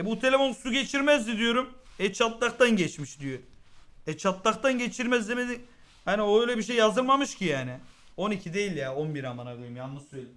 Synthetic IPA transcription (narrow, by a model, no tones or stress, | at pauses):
ɛbut̪ʰelʲe̞fo̞nsuɟe̞t͡ʃʰiɾmɛzd̪id̪ijo̞ɾumɛt͡ʃʰat̪lˠaxt̪anɟɛt͡ʃmiʃd̪ijoɛt͡ʃʰat̪lˠaxt̪anɟe̞t͡ʃʰiɾmɛzd̪emed̪i | hanio̞øjlʲɛbiʃ̬e̞jːazɯɾmamɯʃcʰijaːnɪo̞nicʰid̪e̞jilʲjaːo̞nbiɾamanaɡɯjɯmjanːɯselʲi